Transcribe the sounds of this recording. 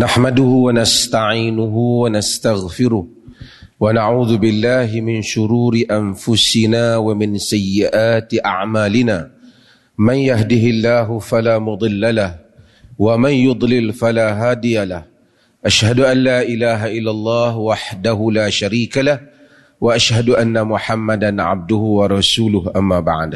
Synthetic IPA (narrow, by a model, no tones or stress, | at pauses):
naħmad̪ʊhʊwanast̪aʕiːnʊɦʊwanast̪aɣfɪɾʊh | wanaʕuːðʊbɪlːaːɦɪmɪnʃʊɾuːɾɪʔanfʊsɪnaːwamɪnsajːɪʔaːt̪ɪʔa̰ʕmaːlɪnaː | manjaɦd̪ɪɦɪlːaːɦʊfalaːmʊd̪ˤɨlːalah | wamanjʊd̪ˤlɪlfalaːɦaːd̪ɪjalah | ʔaʃhad̪ʊʔanːaːʔɪlaːɦaʔɪlːalˤːɑːhwaħd̪aɦʊlaːʃaɾiːkalah | waʔaʃhad̪ʊʔanːamʊħamːad̪anʕa̰b̚d̪ʊhʊwɑɾˤɑsuːlʊhʔamːaːba̰ʕd̪